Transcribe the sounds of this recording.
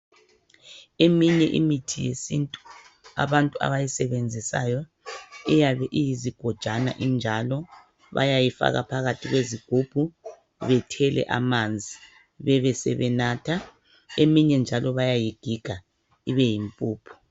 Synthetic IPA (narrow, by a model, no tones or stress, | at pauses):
emiɲɛʔḭmitʰijesintʼu | a̰βantʼua̰βajisɛβend͡zʱisa̰jɔ | ɛjaβɛʔijiziɡ̥ʱɔd̥ʒ̥ʱana̰ʔind͡ʒʱalɔ | βa̰jajifa̰ɣa̰pʰaɣatʰiɣweziɡ̥ʱub̥ʱu | βɛtʰɛlɛ̰ʔamand͡zʱi | βɛβɛsɛ̰βɛnaːtʰa | emiɲɛnd͡ʒʱalɔβajajiɡ̥ʱiɡ̥ʱa | iβɛjimpʼuːpʰu̥